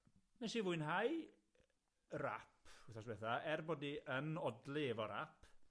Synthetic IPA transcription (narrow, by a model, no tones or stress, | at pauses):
nɛʃivʊɨnɦaj | ra̰pʰhuθasbɛθaɛrboːdiənɔdlˠevɔɾa̰pʰ